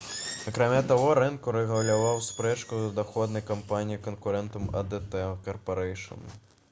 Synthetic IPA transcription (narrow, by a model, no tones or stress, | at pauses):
ɐkɾamʲat̪aɣɔɾɨnkuɾɛɣɐlʲavawspɾɛt͡ʃkuzɐd̪axɔd̪nɐjkampanʲijikɐnkuɾɛnt̪ɐmɐ̰d̪ɛt̪ɛkɐrpɐɾɛjʂɐ̰nɐ̰